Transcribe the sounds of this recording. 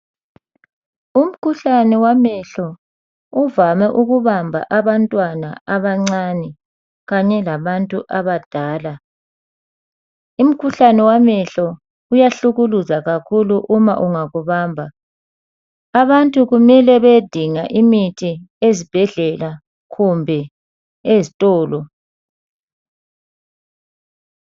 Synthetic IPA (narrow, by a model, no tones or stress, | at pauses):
um̩kʰuɬanɛwamɛɬɔ | uvamɛʔuɣuβambʱa̰ʔaβantʼwana̰aβaŋ͡ǀanɛ | ɣaɲɛlaβantʼuʔaβad̥ʱaːla | um̩kʰuɬanɛwamɛɬɔ | ujaɬuɣuluzaɣakʰuluʔuma̰ʔuŋaɣuβaːmbʱa | aβantʼuɣumɛlɛβed̥ʱiŋaʔimitʰiezib̥ʱɛɮɛla | ɣumbʱɛ | ezitʼɔːlɔ